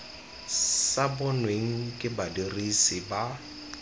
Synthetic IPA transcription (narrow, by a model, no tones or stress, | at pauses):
sabʊnweŋ̩kʼɪbadirisɪba